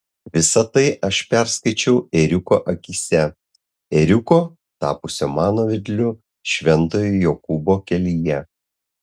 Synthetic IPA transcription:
ʋʲɪsɐt̪ɐɪʔɐʃpʲæɾskɐɪt͡ʃʲɛʊɛɾʲʊkoːʔɐkʲiːsʲɛ | ɛɾʲʊkoː | t̪ɑ̰ːpʊsʲomɑːnoːʋʲɪd̪ʲlʲʊ | ʃʲʋʲɛnt̪oːjʊjoːkʊboːkʲɛlʲijɛ

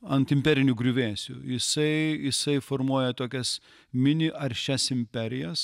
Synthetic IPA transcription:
ɐnt̪ɪmʲpʲɛɾʲɪnʲʊɡɾʲʊʋʲeːsʲʊ̰jɪsɐɪjɪsɐɪfoːrmuɔjɛt̪oːkʲɛs | mʲɪnʲɪʔɐɾʲʃʲɛsɪmʲpʲɛɾʲɪjɛs

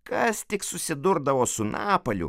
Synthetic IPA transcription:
kɐst̪ʲɪksʊsʲɪd̪ʊɾd̪ɐʋoːsʊnɑːpɐlʲʊ̰

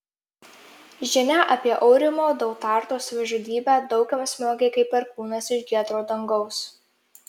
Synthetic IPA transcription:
ʒʲɪnʲæʔɐpʲiɛʔɔʊɾʲɪmoːd̪ɐʊt̪ɑːˑɾt̪oːsʋʲɛʒud̪ʲiːbʲæːd̪ɒʊkʲɛmsʲmʲoːɡʲɛɪkɐɪpʲɛɾkuːnɐsɪʒɡʲiɛt̪ɾoːd̪ɐŋɡɒʊs

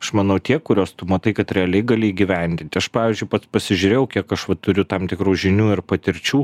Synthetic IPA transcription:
ɐʃmɐnɐʊt̪ʲiɛkʊɾʲoːst̪ʊmɐt̪ɐɪkɐt̪ɾʲɛɐlʲɛɪɡɑːlʲɪiːɡʲɪʋʲɛˑnʲd̪ʲɪnʲt̪ʲɪɐʃpɑːʋʲiːzʲd͡ʒʲʊɪpɐt̪spɐsʲɪʒʲʊːɾʲeːjɛʊkʲiɛkɐʃʋɐt̪ʊɾʲʊt̪ɐmt̪ʲɪkɾuːʒʲɪnʲuːɪrpɐt̪ʲɪɾʲt͡ʃʲuː

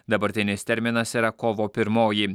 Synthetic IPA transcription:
d̪ɐbɐɾʲt̪ʲɪnʲɪst̪ʲɛɾʲmʲɪnɐsiːɾɐkoːʋoːpʲɪɾmoːji

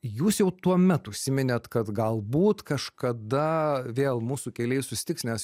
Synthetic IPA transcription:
juːsjɛʊt̪uɔmʲɛt̪ʊʃʲsʲɪmʲɪnʲɛt̪kɐt̪ɡɐlˠbuːt̪kɐʃkɐd̪ɐʋʲeːlˠmuːsukʲɛlʲɛɪsʊsʲɪ̥t̪ʲɪksʲnʲɛs

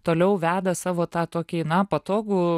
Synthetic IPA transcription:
t̪oːlʲɛʊʋʲæːd̪ɐsɑːʋoːt̪ɑːt̪oːkʲiːnɐpɐt̪oːɡuː

